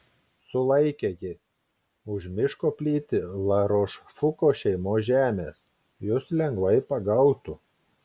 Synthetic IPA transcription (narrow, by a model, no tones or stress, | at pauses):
sʊlˠɐɪkʲejɪ | ʊʒmʲɪʃkoːpʲlʲiːt̪ʲɪlˠɐɾoːʃfʊkoːʃʲɛɪmoːʒʲæːmʲeːs | jʊslʲɛŋɡʋɐɪpɐɡɐʊt̪ʊ